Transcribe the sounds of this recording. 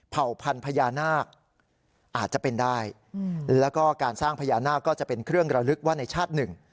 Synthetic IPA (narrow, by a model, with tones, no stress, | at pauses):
pʰa˨˩wpʰa˧npʰa˧jaː˧naː˥˩k̚ | ʔaː˨˩t̪̚t͡ɕa˨˩pe˧ndaː˥˩j | lɛː˦˥wkɔː˥˩kaː˧nsaː˥˩ŋpʰa˧jaː˧naː˥˩kːɔː˥˩t͡ɕa˨˩ʔpe˧nkʰɾɯ˥˩əŋɾa˧ɾɯ˦˥k̚waː˥˩na˧jt͡ɕʰaː˥˩t̪̚nɯ˨˩ŋ